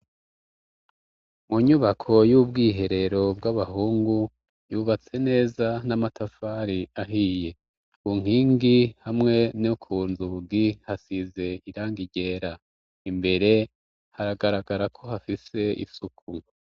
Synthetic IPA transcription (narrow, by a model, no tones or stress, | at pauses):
muɲuβakʰo̞juːbɡiːɦe̞ɾe̞ɾo̞b̚ɡaβaɦuːŋɡu | juβat͡se̞ne̞ːzanamatafaɾiaɦiːje̞ | kuŋ̥hiːŋɡihamŋe̞nokʰuːnzuɡihasize̞iɾaːŋɡiɟe̞ːɾa | imbe̞ɾe̞ | haɾaɡaɾaɡaɾakʰo̞ɦafise̞ḭsukʰu